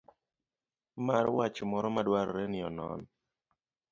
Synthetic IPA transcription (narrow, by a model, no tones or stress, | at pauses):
marwat͡ʃmɔɾɔmadwaɾɾenɪɔnɔ̰n